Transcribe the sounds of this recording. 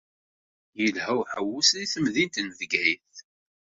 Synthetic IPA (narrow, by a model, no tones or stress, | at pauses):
jəlhæwħəwːusðiθəmðint̪nðɡæjθ